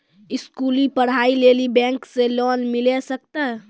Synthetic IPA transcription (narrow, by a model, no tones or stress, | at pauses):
iskulipəɽ̤ailelibɛ̃ŋksẽlɔnmilesək̚t̪ɛɦ